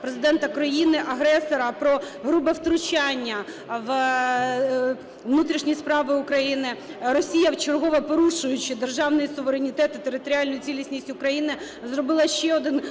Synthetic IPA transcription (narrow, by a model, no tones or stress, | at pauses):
pɾezɪd̪ɛnt̪ɐkɾɐjinɪʔɐɦɾɛsɔɾɐpɾɔ | ɦɾubɐwt̪ɾʊt͡ʃɑnʲːɐ | ʋ | ʋnut̪ɾʲiʃnʲijspɾɑʋɪʊkɾɐjinɪ | ɾɔsʲijɐwt͡ʃɪrɦɔʋɛpɔɾuʃʊjʊt͡ʃɪd̪erʒɑwnʊjsʊʋeɾenʲit̪ɛt̪ɪt̪eɾɪt̪ɔɾʲɪɑlʲnʊjʊt͡sʲilʲisʲnʲisʲtʲʊkɾɐjinɪ | zɾɔbɪlˠɐʃt͡ʃɛɔd̪ɪn